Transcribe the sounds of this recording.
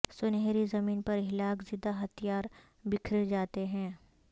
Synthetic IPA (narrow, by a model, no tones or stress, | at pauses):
sʊnɦeːɾizɐmiːnpɐɾɦɪlaːkzɪd̪aɦɐt̪ʰijaːɾ | bɪkʰɾed͡ʒaːt̪eɦɛ̃ː